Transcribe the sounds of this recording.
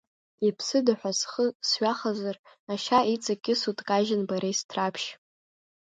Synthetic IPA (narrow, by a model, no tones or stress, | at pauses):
ipʰsɨdaħʷᶣasχəsɥʷaχazar | aʃait͡sʼakʲʼɪsutʼkʼaʒɪnbaɾejstʰrapʰʃ